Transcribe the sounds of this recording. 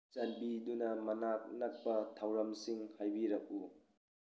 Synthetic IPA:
t͡ʃɐnbidunɐmɐnak̚nɐk̚pɐtʰawɾɐmsiŋhajbiɾɐk̚u

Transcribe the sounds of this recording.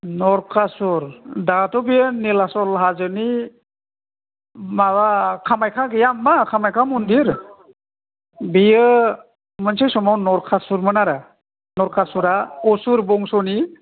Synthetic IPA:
nɔɾkʰasuɾdatɔbijənilasɔlɦazɯni | mawakʰamajkʰaɡijamːakʰamajkʰamundiɾ | bijɯ | mənsejsɔmawnɔɾkʰasuɾmɯnaɾa | nɔɾkʰasuɾaɔsuɾbɔŋsɔni

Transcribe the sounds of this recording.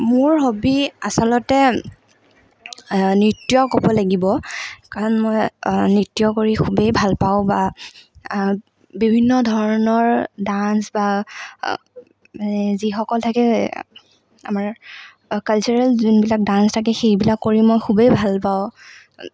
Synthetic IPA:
mʊɹxobia̰sɔlɔtɛ | nɹitːijɔkɔbɔlaɡibɔkaɹɔnmojnitːijɔkoɹikʰubejbʱalpaʊ̃ba | bibʱinːɔdʱɔɹɹɔnɔɹdansba | manɛzixɔkɔltʰakɛ | a̰maɹ | kalt͡ʃɔɹalzunbilak̚dãnstʰak̬ɛxejbilakːoɹimojxʰubejbʱalpaʊ̃

